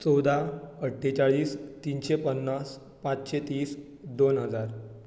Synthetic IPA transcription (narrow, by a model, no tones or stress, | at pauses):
t͡sɔwd̪ʱaəʈʰːet͡saɭiːst̪inɕepənːas | pãt͡sɕet̪iːs | d̪onɦəd͡zaɾ